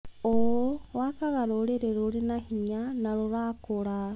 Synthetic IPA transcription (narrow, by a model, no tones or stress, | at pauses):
owowakaɣaɾoɾeɾeɾuɾinahiɲanaɾuɾakuɾa